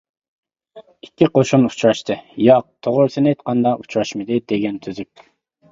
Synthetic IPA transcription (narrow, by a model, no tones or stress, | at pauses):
ikʲːiqoʃunu̥t͡ʃɾɑʃt̪ʰɨjɑq̚t̪ʰoʁʊɾsɨnejt̪̚qʰɑnd̪ɑu̥t͡ʃɾɑʃmɨd̪ɪd̪eɡʲɛnt̪ʰyzyp̚ʲ